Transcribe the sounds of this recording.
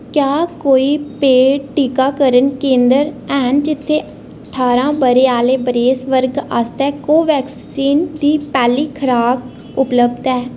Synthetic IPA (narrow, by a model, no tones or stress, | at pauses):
kjaːkoːiːpeːʈiːkaːkəɾənkẽːnd̪əɾɛːɦənd͡ʒɪt̪ʰːeː | əəʈʰaːɾãːbəɾeːaːleːbəɾeːsʋəɾɡa̰ːst̪ɛːkoːʋɛːks | iːnd̪iːpɛːliːkʰəɾaːk | ʊpləbd̪ɛː